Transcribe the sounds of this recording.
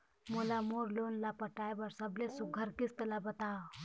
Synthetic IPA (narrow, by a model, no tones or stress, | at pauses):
mulamoɾlonlapəʈajbəɾsəblesuɡʱəɾkist̪əlabət̪aw